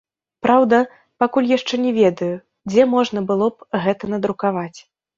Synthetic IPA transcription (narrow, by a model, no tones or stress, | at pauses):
pɾawd̪ɐ | pakulʲjaʂt͡ʂɛnʲɛvʲɛd̪ɐju | d͡zʲɛmɔʐnɐbɨlˠɔpɣɛt̪ɐnɐd̪ɾukavat͡sʲ